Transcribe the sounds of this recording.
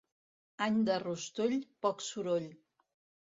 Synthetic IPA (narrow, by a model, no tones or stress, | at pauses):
aɲd̪ərust̪uʎpɔksuɾoʎ